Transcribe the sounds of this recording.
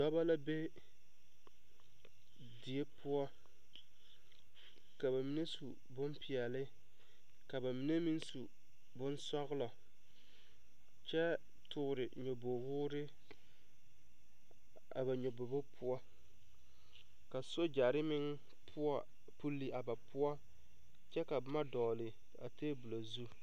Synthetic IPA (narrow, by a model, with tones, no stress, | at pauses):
dɔ˦ba˦la˦be˦ | di˨e˦pʰʊ˦ɔ˦ | ka˨ba˨mi˨˦ne˦su˨ | bʊ˦mpʰi˨ɛ˨lɪ˦ | ka˨ba˨mi˨˦ne˦mi˦nsu˨ | bʊ˦nsɔ˦ɣʊ˦lɔ˨ | t͡ʃɛ˦ | tʰʊ˨ʊ˨ɾɪ˨ɲo˨bo˨ɣʊː˦ɾɪ˦ | a̰˨ba˨ɲo˨bo˨bo˦pʰʊ˦ɔ˦ | ka˨so˦d͡ʒa˨ɾɪ˦mɪ˦ŋ | pʰʊ˦ɔ˦ | pu˦lːi˦a˨ba˨pʊ˦ɔ˦ | t͡ʃɛ˦ka˨bma˦dɔː˨lɪ˨ | a̰˨teː˦bu˨lo˨zu˦